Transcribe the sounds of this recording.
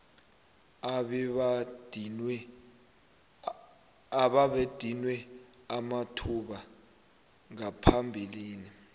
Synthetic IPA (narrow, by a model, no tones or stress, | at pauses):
aɓaɓed̥ʱinwɛ | amatʰuɓa | ŋapʰambʱiliːni